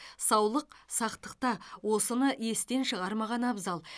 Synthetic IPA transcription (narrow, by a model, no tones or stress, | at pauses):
sɑwlˠəqsɑqt̪əqt̪ɑwo̞sənəʔje̞st̪e̞nʃəʁɑɾmɑʁɑnɑbzɑlˠ